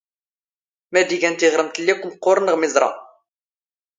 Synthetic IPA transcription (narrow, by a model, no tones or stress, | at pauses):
mæd̪iʝænt̪iʁɾəmt̪lːikʷːmqːoɾˤənəʁmɪzˤɾˤɑ̰